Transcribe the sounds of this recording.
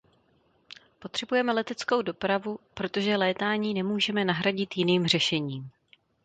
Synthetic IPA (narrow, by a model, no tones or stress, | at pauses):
po̞t̪r̥ɛbujɛmɛlɛt̪ɛt͡sko̞wdo̞pɾavupɾo̞t̪o̞ʒɛlɛːt̪aːɲiːnɛmuːʒɛmɛnaɦɾaɟɪt̪jɪniːmr̝ɛʃɛɲiːm